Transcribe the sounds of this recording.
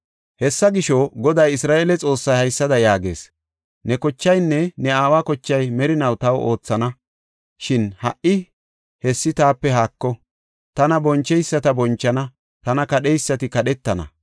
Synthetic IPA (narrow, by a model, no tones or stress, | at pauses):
hɛsːɐɡɪʃɔɡɔd̪ɐjɪsɾaːʔeːlɛt͡sʼo̞ːsːɐjhɐjsːɐd̪ɐjaːɡe̞̰ːs | nɛkɔt͡ʃːɐjnːɛnɛaːwaːkɔt͡ʃːɐjmɛɾɪnɐwt̪ɐwʔo̞ːt͡sːɐnɐ | ʃɪnhɐʔɪ | hɛsːɪt̪aːpːɛɦaːkːɔ | t̪ɐnɐbɔnt͡ʃːɛjsːɐt̪ɐbɔnt͡ʃːɐnɐ | t̪ɐnɐkɐɗɛjsːɐt̪ɪkɐɗɛt̪ːɐnɐ̰